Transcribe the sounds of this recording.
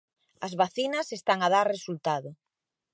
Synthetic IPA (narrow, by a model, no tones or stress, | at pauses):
ɐzβaθinɐsest̪aŋað̞aɾresult̪aðʊ